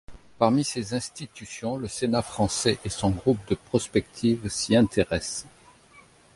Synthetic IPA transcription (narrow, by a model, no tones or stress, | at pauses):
paʁmisezɛ̃st̪it̪ysjɔ̃ləsenafχɑ̃sɛʔesɔ̃ɡʁup̚d̪əpχɔspɛk̚t̪ʰivsiɛ̃t̪ʰeʁɛs